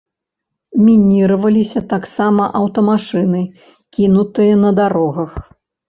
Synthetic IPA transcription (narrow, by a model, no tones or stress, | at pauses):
mʲinʲiɾɐvɐlʲisʲɐt̪aksamɐʔɐwt̪ɐmaʂɨnɨ | kʲinut̪ɨjɐnɐd̪aɾɔɣɐx